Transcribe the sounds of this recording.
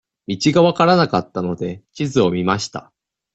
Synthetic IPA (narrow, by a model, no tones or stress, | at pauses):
mʲit͡ɕiɡaβakaɾanakat̪ːano̞d̪e̞t͡ɕizɨo̞mʲimaɕi̥t̪a̰